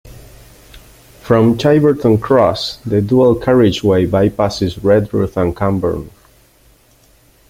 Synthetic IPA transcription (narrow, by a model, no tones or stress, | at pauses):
fɹɔ̃mt͡ʃʰajbə˞tə̃nkʰɹɔsðəduəlˠkʰaɹɪd͡ʒweɪbajpasɪzɹɛdɹṵθə̃nkʰãmbə̰˞n